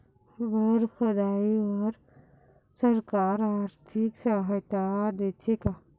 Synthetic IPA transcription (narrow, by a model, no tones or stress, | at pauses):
bəɾxod̪aːiwaɾ | sɐɾkaːɾaɾt̪ʰiksaɦɐt̪aɾd̪et̪ʰika